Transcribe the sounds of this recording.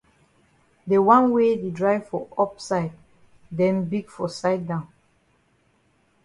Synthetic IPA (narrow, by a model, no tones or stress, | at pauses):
dewãnwededɹaɪfɔɔpsaɪd | dɛ̃nbiɡfɔsaɪd̚dãʊ̃n